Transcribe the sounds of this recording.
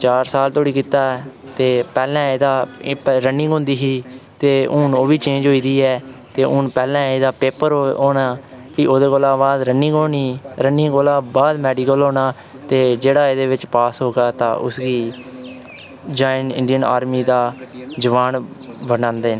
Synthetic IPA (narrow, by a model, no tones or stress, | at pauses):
t͡ʃaːɾsaːlt̪oːɽiːkit̪aːɛt̪eːpɛːlɛ̃ːeːd̪aːɾənɪ̃ŋɡɦõːnd̪iːɦiːt̪eːʔʊnoːʋiːt͡ʃẽːnd͡ʒɦoːiːd̪iːɛːt̪eːʔʊnpɛːlɛ̃ːeːd̪aːpeːpəɾoːnaː | kɪʔoːd̪eːkoːlãːbaːd̪ɾənɪ̃ŋɡoːniːɾəniːɡoːlãːbaːd̪mɛːɖiːkəlɦoːnaː | t̪eːd͡ʒeːɽaːeːd̪eːʋɪt͡ʃpaːsɦoːɡaːt̪ã̰ːʔʊ̰sɡiː | d͡ʒaːɪnɪ̰̃ɳɖijəna̰ːɾmiːd̪aːd͡ʒəʋaːnbənãːnd̪eːnː